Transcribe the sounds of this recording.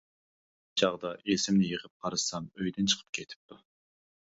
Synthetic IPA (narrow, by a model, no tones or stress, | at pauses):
t͡ʃʰɑʁd̪ɑʔesɪmnɪjəʁəp̚qʰɑɾɨsɑmøjd̪ɪnt͡ʃʰə̥qʰəp̚kʲʰet̪ʰɪ̥p̚t̪u